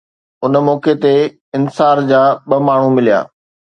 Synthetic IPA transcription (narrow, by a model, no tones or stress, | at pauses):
ʊnmɔːket̪e | ɪnsaːɾd͡ʑaːɓɐmaːɳ̤ũmɪlija̰ː